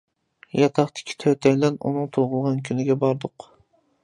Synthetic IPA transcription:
jɑt̪ʰɑχt̪ɪ̥kʲʰi̥t̪ʰøt̪ʰɛjʲlɛnṵnɨŋt̪ʰoʁʊlˠʁɑnkʲʰynɪɡʲɛbɑɾd̪ʊq

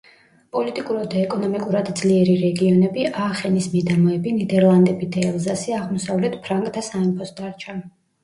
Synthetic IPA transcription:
pʼɔlit̪ʼikʼuɾad̪aɛkʼɔnɔmikʼuɾad̪d̪zliɛɾiɾɛɡiɔnɛbiʔaːχɛnismɛd̪amɔɛbinid̪ɛɾlˠand̪ɛbid̪aɛlˠzasiaʁmɔsavlɛt̪ʰpʰɾaŋkʼt̪ʰasaimpʰɔsd̪aɾt͡ʃʰa

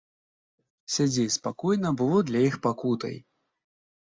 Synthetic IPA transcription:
sʲad͡zʲespakɔjnɐbɨvɔd̪lʲajixpakut̪ɐ̰j

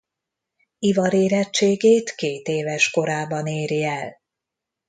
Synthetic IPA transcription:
ivɒɾeːɾɛt͡ʃːeːɡeːt̪keːt̪eːvɛʃko̞ɾaːbɒneːɾiɛl

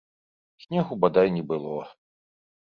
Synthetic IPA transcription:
sʲnʲɛɣubad̪ajnʲɛbɨlˠɔ

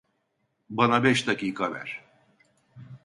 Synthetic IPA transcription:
banabɛʃt̪aciːkʰavæ̰ɾ̥

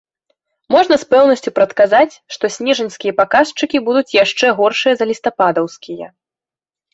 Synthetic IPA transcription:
mɔʐnɐspɛwnɐsʲt͡sʲupɾɐt̪kazat͡sʲʂt̪ɔsʲnʲɛʐɐnʲskʲijɐpakast͡ʂɨkʲibud̪ut͡sʲjaʂt͡ʂɛɣɔrʂɨjɐzɐlʲist̪apad̪ɐwskʲijɐ̰

